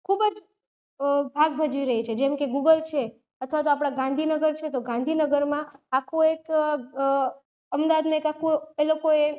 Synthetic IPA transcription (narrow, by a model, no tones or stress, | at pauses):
kʰubəd͡ʒ | bʱaɡbʱəd͡ʒʋiɾəɦit͡ʃʰed͡ʒɛmkeɡuɡəlt͡ʃʰe | ət̪ʰʋat̪oapɽ̃aɡãnd̪ʱinəɡəɾt͡ʃʰet̪oɡãnd̪ʱinəɡəɾmãakʰuek | əmd̪aʋad̪mãekakʰuelokoe